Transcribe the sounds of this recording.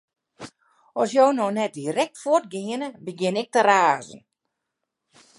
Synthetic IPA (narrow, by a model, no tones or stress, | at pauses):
ɔsjownɔnɛt̚dirɛk̚tfʊərt̚ɡɪənəbəɡjɪnɪk̚təraːzn̩